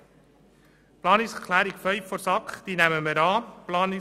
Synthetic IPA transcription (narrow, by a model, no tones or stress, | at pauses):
plɑːnɪkskʰlæːɾiɡfœʏffɔɾsɑkχd̥̪iːnæməməɾɑːplɑːnɪ